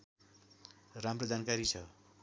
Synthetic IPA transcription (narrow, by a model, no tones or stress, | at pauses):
ramrod͡zankaɾit͡sʰʌ